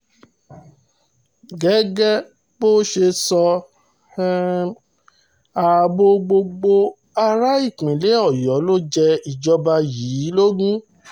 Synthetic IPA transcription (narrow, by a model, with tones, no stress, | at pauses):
ɡɛ˨˦ɡɛ˦ | bo˦ʃe˧sɔ˧˦ | a˨bo˧˦ɡ͡bo˧ɡ͡bo˧ | a˧ɾa˦i˦˨k͡pĩ˨le˨˦ɔ˦˨jɔ˨˦lo˦d͡ʒɛ˧i˨d͡ʒɔ˧ba˧jiː˨˦˨lo˦ɡũ˦